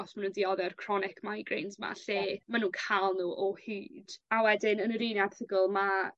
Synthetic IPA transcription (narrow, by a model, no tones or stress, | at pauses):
ɔsmanuːndiɔðɛrkʰrɔnɪkʰmaiɡrejnzma̰ɬɛmanuːnkʰalˠnuːʔɔhiːd̥awɛdɪnənəɾinjḁtʰəɡəlˠma